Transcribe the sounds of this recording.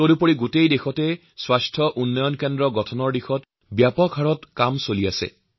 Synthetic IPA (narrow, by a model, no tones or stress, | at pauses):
toɾupoɹiɡutejdexɔtɛ | swastʰɔʔunːɔjɔnkendɹɔɡɔtʰɔnɔɹdixɔt | bjapɔkʰhaɹɔtkamsoliasɛ̰